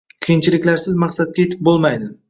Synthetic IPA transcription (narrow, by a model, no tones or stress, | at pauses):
qʰijɪnt͡ʃʰilɪkʲlaɾsɪzmɑqsat̪̚kʲaje̞t̪ʰɪ̥p̚bolˠmajd̪ɪ